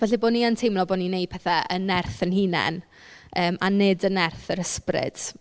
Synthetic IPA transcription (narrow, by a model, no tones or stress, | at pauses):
vɛɬiboːniantʰejmlˠɔboninejd̥̚pʰɛθaʔənɛrθənhiːnɛ̰n | əːma̰nedənɛrθəɾəsprɪ̰d̥